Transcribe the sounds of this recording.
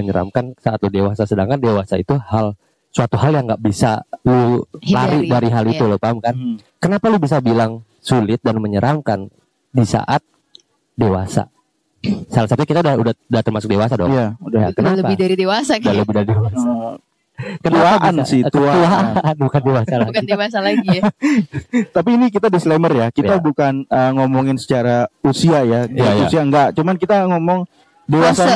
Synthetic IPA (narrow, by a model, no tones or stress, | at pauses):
əɲəɾa̰mkansaʔat̪̚lodewasasədaŋkandewasait̪uhal | suat̪uɦaljaŋɡaʔbisa̰lulaɾidaɾiɦaliulopamkan | kənapalubis̬abilaŋ | sulɪt̪̚danməɲəɾʔamkan | disa̰ʔat̪̚ | dewasa̰ | salasat̪uɲakit̪audahudaudat̪ərmasʊk̚dewasadɔjaudakənaləbɪhdaɾidewasakdaləbɪhdaɾidewa | kət̪uaʔansɪht̪uauaanbukandewasalaɡkandewasalai | t̪ap̬iːnikit̪adislemərjakiabukanəŋomɔŋɪnsə̥t͡ʃaɾausiajadiusiaŋɡaʔt͡ʃumankit̪aŋɔmɔŋ | dewasa